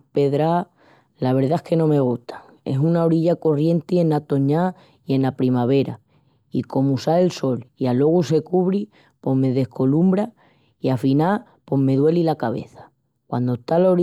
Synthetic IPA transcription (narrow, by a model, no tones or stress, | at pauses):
pe̞ðɾa | laβ̞e̞ɾðaehke̞nõ̞me̞ɣ̞uht̪ʰḁŋ | e̞̰sunao̞ɾiʎako̞rje̞nt̪ie̞nat̪o̞ɲa | ie̞napɾimaβ̞e̞ɾa | iko̞musaelso̞lialo̞ɣ̞use̞kuβɾi | po̞ɦme̞ðe̞hko̞lumbɾa | iafina | po̞ɦme̞ðwe̞lilakaβe̞̰θḁ | kwand̪ot̪aloɾ